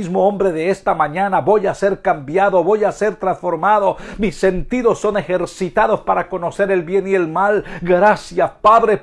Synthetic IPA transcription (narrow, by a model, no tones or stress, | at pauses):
izmoombɾe̞ðe̞est̪amaɲanaβo̞jase̞ɾkambjaðo̞βo̞jase̞ɾt̪ɾansfo̞ɾmaðo̞misːe̞nt̪iðo̞sːo̞ne̞xe̞ɾsit̪aðo̞spaɾako̞no̞se̞ɾe̞lβje̞nie̞lmalɡɾasjapaðɾe